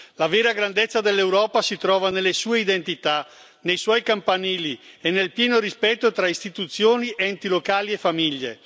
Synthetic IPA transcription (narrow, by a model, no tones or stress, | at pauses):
laveːɾaɡɾand̪et̪sːad̪elːewɾɔːpasit̪ɾɔːvanelːesuːeid̪ent̪it̪a | nejswɔjkampanɛːlienːelpjɛːnoɾispɛt̪ːot̪ɾaist̪it̪ut̪sːjoːniʔɛnt̪ilokaːliefamiʎːe